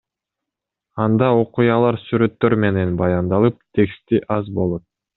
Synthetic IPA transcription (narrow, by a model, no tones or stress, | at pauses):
ɑnd̪ɑo̞qujɑlˠɑɾsyɾø̞t̪ːø̞ɾme̞ne̞nbɑjɑnd̪ɑlˠɯp̚t̪ʲʰe̞kst̪iʔɑzbo̞lˠo̞t̪̚